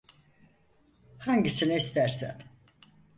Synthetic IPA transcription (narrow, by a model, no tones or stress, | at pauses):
haɲɟisiniist̪ʰæɾsæ̰n